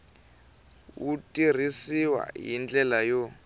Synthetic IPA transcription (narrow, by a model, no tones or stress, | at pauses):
wutʼir̤isiwa̰jind͡ɮɛlajo